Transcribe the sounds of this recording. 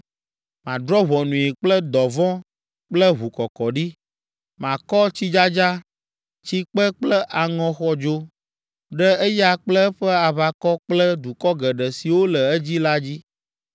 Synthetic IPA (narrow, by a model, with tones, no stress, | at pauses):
mã˨d̪ɾɔ˦βɔ˨nũ˨i˨k͡plɛ˦d̪ɔ˨vɔ̃˦ | k͡plɛ˦βu˨kɔ˨kɔ˨ɖi˦ | mã˨kɔ˦t͡ɕi˦d͡ʒa˦d͡ʒa˦ | t͡ɕi˦k͡pɛ˦k͡plɛ˦ʔa˨ŋɔ̃˦xɔ˦d͡ʒo˦ | ɖɛ˦e˦ja˦k͡plɛ˦ɸɛ˦a˨βa˨kɔ˦k͡plɛ˦d̪u˨kɔ˦ɡɛ˨ɖɛ˨si˨wo˦lɛ˨ɛ˦d͡ʑi˦la˦d͡ʑi˦